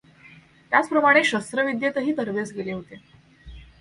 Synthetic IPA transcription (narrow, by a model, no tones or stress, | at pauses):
t̪jat͡spɾəmaɽ̃eɕəst̪ɾəʋid̪jet̪əɦiːt̪əɾʋesɡeleɦot̪e